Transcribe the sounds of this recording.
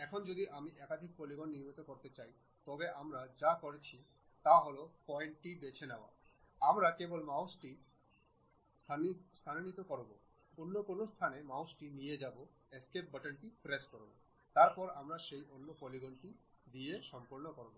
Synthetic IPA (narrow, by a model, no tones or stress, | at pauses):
ɛkʰond͡ʑod̪iʔamiʔɛkad̪ʱik̚poliɡonːiɾmit̪okoɾt̪et͡ɕaj | t̪ɔbeʔamɾad͡ʑakoɾet͡ɕʰi | t̪aɦolopɔeɳʈʈib̪et͡ɕʰenaoa̰amɾakebolmawsʈi | st̪ʰast̪ʰannit̪okɔɾbo̰ | onːokonost̪ʰanemawsʈinijed͡ʑabo | eskep̚bəʈənʈipɾeskɔɾobo | t̪aɾpɔɾamɾaʃejʔonːopoliɡonʈid̪ieʃɔmpoɾnokoɾbo